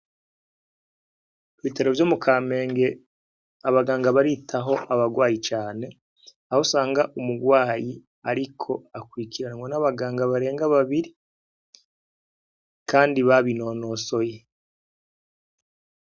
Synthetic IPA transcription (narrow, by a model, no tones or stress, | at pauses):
vite̞ɾovjoːmukʰaːme̞ːŋɡe̞ | aβaɡaːŋɡaβaɾitʰaɦo̞ʔaβaɡwaːjit͡ʃaːne̞ | ahosaːŋɡaʔumuɡwaːji | aɾikʰo̞akwikiɾanaŋɡonaβaɡaːŋɡaβaɾe̞ːŋɡaβaβiɾi | kaːndiβaβino̞no̞so̞je